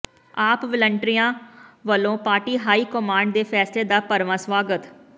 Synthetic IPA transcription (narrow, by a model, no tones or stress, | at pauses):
aːpʋɪləɳʈɾɪjãːʋəlõːpaːɾʈiːɦaːiːkɔmaːɳɖd̪eːpʰɛːsleːd̪aːpəɾʋãːsʋaːɡət̪